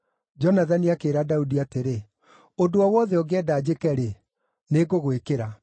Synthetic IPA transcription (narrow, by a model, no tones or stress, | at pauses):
d͡ʒɔnaðaniakeːɾadaudiateɾe | ondoɔwɔðɛɔɣɛdaːd͡ʑekɛɾe | neɣoɣwekeɾa